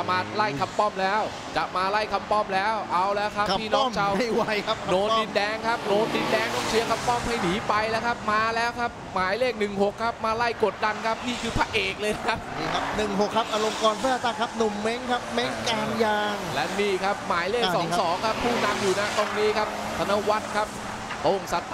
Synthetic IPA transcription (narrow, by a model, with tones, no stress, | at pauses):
a˨˩maː˧la˥˩jkʰa˧mpɔ˥˩mlɛː˦˥w | t͡ɕa˨˩maː˧la˥˩jkʰa˧mpɔ˥˩mlɛː˦˥wʔa˧wlɛː˦˥wkʰa˦˥p̪ʰiː˥˩ɔː˦˥˧t͡ɕʰa˧wa˥˩jwa˦jkʰa˦˥noː˧nndi˨˧ndɛː˧ŋkʰa˦˥p̚noː˧ndi˨˧ndɛː˧ŋt̪ɔ˥˩ŋt͡ɕʰi˨˦əkʰa˧mpɔ˥˩mha˥˩jniː˨˩˦pa˧jlɛː˦˥wkʰa˦˥p̚maː˧lɛː˦˥wkʰa˦˥p̚maː˨˩˦jleː˥˩k̚nɯ˨˩ŋɦo˨˩kʰːa˦˥p̚maː˧la˥˩jko˨˩t̪̚da˧nkʰa˦˥p̚t̪ʰiː˥˩kʰɯː˧pʰaː˧˥˩ʔeː˨˩k̚lɤː˧jn˧kʰa˦˥p̚ːkʰa˦˥p̚nɯ˨˩ŋɦo˨˩kʰːa˦˥p̚ʔaː˧ɾo˧mkɔː˧npʰaː˥˩t̪aː˧˩kʰa˦˥p̚nu˨˩mːe˦˥ŋkʰa˦˥p̚me˦˥ŋkaː˧njaː˧ŋlɛ˦˥niː˥˩kʰa˦˥p̚maː˩˦jleː˥˩k̚sɔː˩˦sɔː˩˦ŋkʰa˦˥pʰːuː˥˩na˧mjuː˨˩na˦˥t̪o˧˩ŋniː˦˥kʰa˦˥p̚ | t̪ʰa˧na˦˥wa˦˥t̪̚kʰa˦˥p̚ | t̪o˧˩ŋsa˨˦t̪̚ʰ